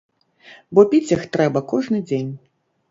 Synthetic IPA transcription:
bɔpʲit͡sʲjixt̪ɾɛbɐkɔʐnɨd͡zʲenʲ

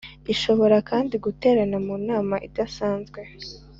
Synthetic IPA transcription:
iʃo̞βo̞ɾakaːndiɡute̞ːɾanamuːnaːmaʔidasaːnzɡwe̞

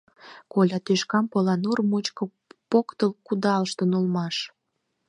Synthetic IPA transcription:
kolʲɑt̪yʃkɑmpolɑnormot͡ɕkŏ | pokt̪əlkud̪ɑlʃt̪ənolmɑʃ

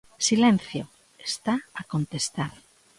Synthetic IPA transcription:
silɛn̟θjo | est̪aakont̪est̪aɾ

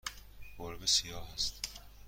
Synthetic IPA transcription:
ɡ̥oɾbesijɒːɦæst̪

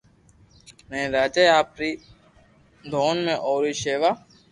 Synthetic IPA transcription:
nẽːɾaːd͡ʒeːaːpɾiː | d̪ʱoːnmẽːʔoːɾiːʃeːʋaː

